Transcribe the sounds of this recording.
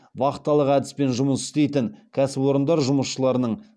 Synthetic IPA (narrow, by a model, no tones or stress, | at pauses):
bɑqət̪ːɑlˠəqæd̪ɪspe̞nʒʊməsʏ̥st̪e̞jt̪ɪŋkʲʰæsɪpo̞ɾənd̪ɑɾʒʊməsʃəlˠɑɾənəɴ